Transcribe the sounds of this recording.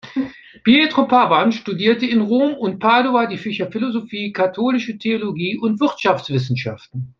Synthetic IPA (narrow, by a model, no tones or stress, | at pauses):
pietʁ̥opʰavanʃtudiːɐtəɪnʁoːmʊnt̚pʰaɐdoadiːfɪʃɐfɪlozofiːkʰatʰoːlɪʃətʰeoloɡiːʔʊntv̥ɪɐtʃaft͡sv̥ɪs̬n̩ʃa̰ftn̩